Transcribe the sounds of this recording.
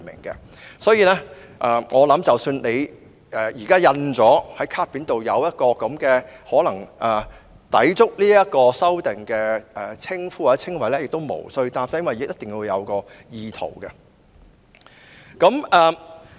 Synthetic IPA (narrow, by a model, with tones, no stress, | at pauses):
mɪ̰˨˩ŋkɛ̰˧ | sɔː˨˥jiː˨˧lɛː˥ | ʔɛː˨ŋɔː˨˧lɐ˨˥mt͡sɐ˨wsyː˧nle˨˧j | ʔɛː˨˩jiː˨˩kaː˥jɐ˧nt͡sɔː˨˥hɐ˨˥jkʰaː˥piː˨˥nt̪o˨wjɐ˨˧wjɐ˥t̚kɔː˧kɐ˨˥mkɛː˧hɔː˨˥lɐ˨˩ŋʔɛ˨ | t̪ɐ̰˨˥jt͡sʊ˥k̚liː˥jɐ˥t̚kɔː˧sɐ˥wt̪ɪ˨˩ŋkɛː˧ʔɛː˨˩t͡sʰɪ˥ŋfuː˥a˨˥t͡sʰɪ˥ŋwɐ˨˥jlɛː˥jɪ˨k̚t̪o˥wmo̰˨˩wsɵ˧ɥt̪aː˧nfa˧jnwɐ˨jɪ˨k̚jɐ˥t̪ɪ˨ŋjiː˧wjɐ̰˨˧wkɔː˧jiː˧t̪ʰo̰˨˩wkɛ˧ | kɐ˨˥mʔɛː˨˩